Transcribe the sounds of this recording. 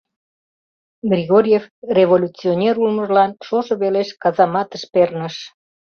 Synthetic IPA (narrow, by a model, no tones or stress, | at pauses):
ɡriɣoɾʲjefreβolʲut͡sionʲeɾulməʒlɑnʃoʃəβeleʃkɑzɑmɑt̪əʃpernəʃ